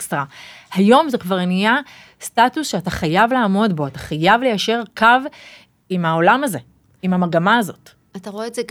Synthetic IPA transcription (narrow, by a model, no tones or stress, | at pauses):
stʁahajo̞mzekvaʁenija | statusʃeataχajavlaːmo̞dbo̞atḁχajavlejaʃe̞ʁkʰav | imao̞lamaze̞ | imhamaɡamaːzo̞t | ataʁoeːze